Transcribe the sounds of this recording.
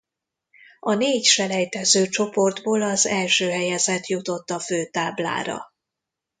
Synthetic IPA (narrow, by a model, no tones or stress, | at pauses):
ɒneːcʃɛlɛjt̪ɛzøːt͡ʃo̞po̞rd̪boːlɒzɛlʃøːɦɛjɛzɛt̪jut̪o̞t̪ːɒføːt̪aːbla̰ːɾɒ̰